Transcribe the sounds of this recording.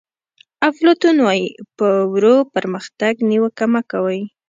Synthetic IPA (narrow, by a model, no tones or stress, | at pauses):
aflot̪unwajpəwɾopəɾməxt̪aɡniwəkamakawəj